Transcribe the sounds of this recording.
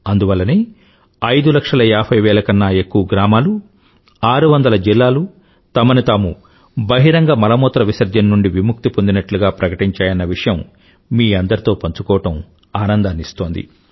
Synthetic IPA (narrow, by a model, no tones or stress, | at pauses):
ɐnd̪uʋɐlːɐneː | ɐjd̪ulɐkʂɐlɐjaːpʰɐjʋɛːlɐkɐnːɐe̞kːuʋɐɡɾaːmaːlu | aːɾuʋɐnd̪ɐlɐd͡ʒilːaːlu | t̪ɐmɐnit̪aːmu | bɐɦiɾɐŋɡɐmɐlɐmɔːt̪ɾɐʋisɐɾd͡ʒɐnnuɳɖiʋimuk̚t̪ipond̪inɐʈluɡaːpɾɐkɐʈiɲt͡ʃaːjɐnːɐʋiʂɐjɐmː | iːɐnd̪ɐɾit̪o̞ːpɐɲt͡ʃukɔːɐʈɐm | aːnɐnd̪aːnist̪o̞ːnd̪ḭ